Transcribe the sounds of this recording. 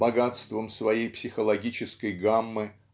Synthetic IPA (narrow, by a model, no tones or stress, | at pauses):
bɐɡat̪st̪vəmsvɐjejpsʲɪxəlˠɐɡʲit͡ɕɪskəjɡamːɨ